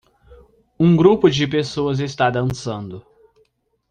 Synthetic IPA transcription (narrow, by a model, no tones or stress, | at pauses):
ũɡɾupʊd͡ʒɪpesoɐzɪst̪ad̪ɐ̃sɐ̃nd̪ʊ